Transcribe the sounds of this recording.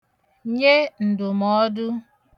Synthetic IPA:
ɲe˦n̩˨dʊ˨mɔ˦dʊ˦

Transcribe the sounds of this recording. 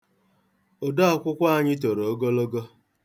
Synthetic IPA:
o˨da˦ɔ˦kʷʊ˦kʷa˦˨ɲɪ˦t̬o˨ɾo˨o˦ɡo˦lo˦ɡo˦

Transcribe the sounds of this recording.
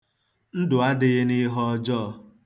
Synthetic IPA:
n̩˦dʊ˨a˦dɪ˦ɣɪ˦ni˦ɦɔ˦ɔ˦d͡ʒɔː˦˨

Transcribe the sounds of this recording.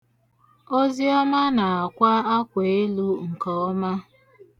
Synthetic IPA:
o˦zi˦ɔ˦ma˦na˨a˨kʷa˦a˦kʷe˨e˦lu˦ŋ̩˨kɔ˦ɔ˦ma˦

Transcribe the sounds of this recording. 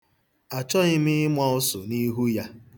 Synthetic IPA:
a˨t͡ʃɔ˦ɣɪ˦mɪ˦ɪ˦mʷa˦ʊ˦sʊ˨ni˦ɦu˦ja˦

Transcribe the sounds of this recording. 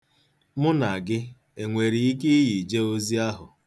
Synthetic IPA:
mʊ˦na˨a˨ɡɪ˦ | e˨ŋʷe˨ɾi˨i˦ke˦i˦ji˨d͡ʒe˦o˦zi˦a˦ɦʊ˨

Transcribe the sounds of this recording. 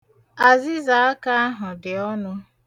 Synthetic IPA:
a˨zi˦za˨a˦ka˦a˦ɦʊ˨dɪ˨ɔ˦nʊ˦

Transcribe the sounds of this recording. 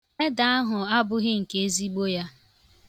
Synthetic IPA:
e˦da˨a˦ɦʊ˨a˦bʊ˦ɣɪ˦ŋ̩˨ke˨e˦zi˦ɡ͡bo˦ja˦

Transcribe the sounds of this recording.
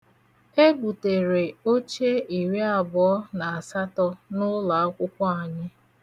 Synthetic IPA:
e˦ɡ͡bu˨te˨ɾe˨o˦t͡ʃe˦i˨ɾe˦a˨bʊ˨ɔ˦na˨a˨sa˦tɔ˦nʊ˦la˨a˦kʷʊ˦kʷɔ˦a˨ɲɪ˦

